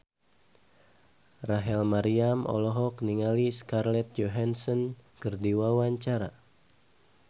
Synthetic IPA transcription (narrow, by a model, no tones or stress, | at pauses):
raɦɛlmaɾiamɔ̰lɔɦɔkniŋaliskarlɛt̪̚d͡ʒoɦansɔnkərdiwawaɲt͡ʃaɾa